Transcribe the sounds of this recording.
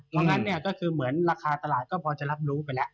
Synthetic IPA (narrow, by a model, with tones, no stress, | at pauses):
t̪ʰɔː˧˥ŋna˦˥nːi˥˩ɐkɔː˥˩kʰɯː˧mɯ˩˦ənɾaː˧kʰaː˧t̪a˧laː˨˩t̪̚kɔː˥˩pʰɔː˧t͡ɕa˨˩la˦˥p̚ɾuː˦˥p̬a˧jlɛ˦˥ʔʔ